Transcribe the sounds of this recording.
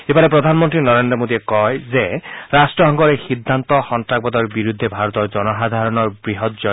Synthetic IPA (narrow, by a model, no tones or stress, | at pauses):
ebanepɹɔd̪ʱanmɔnt̪ɾinɔɾend̪ɾɔmod̪iekɔjzeɾasʈɹɔɦɔŋɡɔɾexid̪ʱːant̪ɔxɔntak̚bɔd̪ɔɹbiɾud̪ʱːebʱaɾɔt̪ɔɹzɔnɔɦad̪ʱaɹɔnɔɹbɹiɦɔt̪̚zɔ